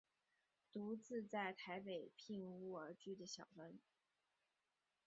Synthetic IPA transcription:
t̪u˧˥t͡sɹ̩˥˧t͡sa˥˩ɪt̪ʰa˧˥ɪpe˨˩ɪpʰi˥˧ŋu˥˩ə˞˧˥t͡ɕy˥˩d̪ə˩ɕjɑ˨˩ʊfə˧˥n

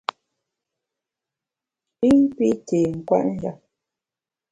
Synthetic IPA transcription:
i˦ŋ˦pi˦te˨ŋ̩˨kwa̰˦ʔn̩˦ja˦

